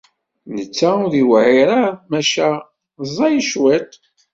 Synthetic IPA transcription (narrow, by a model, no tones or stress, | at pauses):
nət͡sːæʊðiwʕiɾamæʃæ | zˤɑjəʃwæt̪